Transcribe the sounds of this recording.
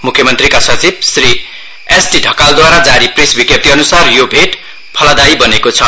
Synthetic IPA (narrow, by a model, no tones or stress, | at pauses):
mukʰːjʌmʌnt̪rikasʌt͡sib̚sri | esʈiɖʱʌkald̪waɾad͡zaɾiprisbikjʌp̚t̪iʌnusarjobʱeʈ | pʰʌlad̪ajbʌnekot͡sʰʌ